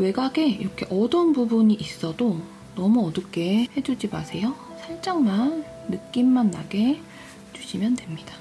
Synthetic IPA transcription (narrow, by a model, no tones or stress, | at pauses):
we̞ɡaɡe̞ḭɾʌkʰe̞ʔʌdʌnbubuɲiʔis͈ʌdo | nʌmuʌdɯk͈e̞he̞d͡ʑud͡ʑimasʰe̞jo | sʰaɭt͡ɕ͈aŋmanː | ɯk͈imːanːa̰ɡe̞ | d͡ʑuɕʰimjʌndwe̞mɲid̥a